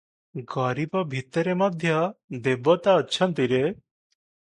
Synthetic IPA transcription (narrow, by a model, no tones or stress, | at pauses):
ɡɔɾibɔbʱit̪əɾeməd̪ʱjəd̪ebːɔt̪aəːt͡ʃʰʌnt̪iɾe